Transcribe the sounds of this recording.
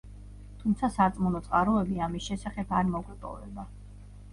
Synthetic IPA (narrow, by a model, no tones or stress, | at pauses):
t̪ʰumt̪sʰasat̪sʼmunɔt̪sʼqʼaɾɔɛbiamisʃɛsaχɛpʰaɾmɔɡwɛpʼɔ̰vɛ̰ba